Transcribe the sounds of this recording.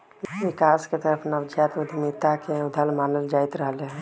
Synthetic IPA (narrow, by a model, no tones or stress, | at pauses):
ʋɪkaːsket̪əɾəpʰnəʋd͡ʒʱjaːt̪ʊd̪ʱmɪt̪akeʊd̪ʱəlmaːnəld͡ʒaːɪt̪ɾəɦleɦɛ̃